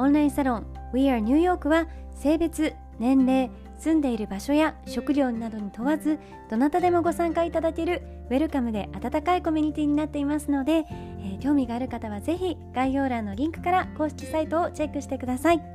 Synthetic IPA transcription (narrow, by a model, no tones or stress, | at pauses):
õ̞ñɾaĩsaɾõ̞ŋ | wiaɾɯɲ̟ɯːjo̞ːkɯ̟βa | se̞ːbe̞t͡sɨ | nẽ̞nɾe̞ː | sɨ̃nd̪e̞iɾɯ̟baɕo̞jaɕo̞kɯ̟ɾʲo̞ːnad̪o̞ɲ̟it̪o̞βazɨ | d̪̥o̞nat̪ad̪e̞mo̞ɡo̞sãŋkait̪ad̪ake̞ɾɯ̟ | βe̞ɾɯ̟kamɯ̟d̪e̞ʔat̪at̪akaiko̞mʲiɲ̟it̪ʲiːɲ̟inat̪ːe̞imasɨno̞d̪e̞ | kʲo̞ːmʲiɡaːɾɯ̟kat̪aβ̞aze̞çiɡ̥aiço̞ːɾãnːo̞ɾʲĩŋkɯ̟̥kaɾako̞ːɕi̥kʲi̥sait̪o̞ːt͡ɕe̞kːɯ̟ɕi̥t̪e̞kɯ̟d̪asai